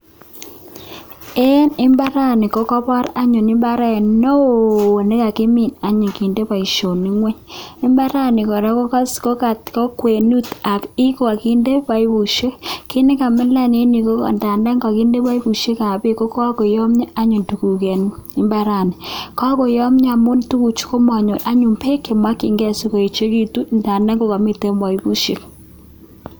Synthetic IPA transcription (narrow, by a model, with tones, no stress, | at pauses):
e˦nɪ˦mba˦ɾa˦nɪ˨ko˦kɔ˦pɔ˦ɾa˦ɲʊ˨nɪ˦mba˦ɾɛ˦˨nno˦wnɪ˦ka˨kɪ˦mi˨na˦ɲi˨ki˨nde˦pa˨i˨ʃo˨ni˦ŋwe˦ɲɪ˦mba˦ɾa˦nɪ˨kɔ˨ɾa˦ko˦ka˦sko˦ka˨tkɔ˦kwe˨nu˦t̪a˨ki˦ko˨a˨ki˦nde˦pa˨i˦pu˨ʃe˦ki˦ne˦ka˨mɪ˦la˦ne˦ni˨ko˦kɔ̰˨nda˨nda˦ŋɡa˨ki˦nde˦pa˦i˦bu˨ʃe˦ka˨be˦ko˦kɔ˦ko˨jɔ˦mɲa˦a˦ɲu˨ntu˨ku˨ke˨ni˦mba˦ɾa˨ni˨kɔ˦ko˨jɔ˦mɲa˨mo˦n˦tu˦ku˨t͡ʃu̥˦ko˦ma˨ɲo˨ʔa˦ɲu˨mpʰe˦ke˨mwa˦ki˨ŋɡɛ˦si˨ko˨e˨t͡ʃe˦ki˦tu˦nda˨nda˦ŋɡo˦ka˨mi˦te˦ma˨i˦bu˦ʃe˦k̚